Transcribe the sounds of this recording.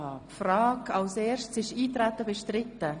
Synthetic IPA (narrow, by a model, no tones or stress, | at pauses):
pfrɑːkɑlseːɾʃtsɪʃiːtɾæt̪əbɛʃtɾɪtːə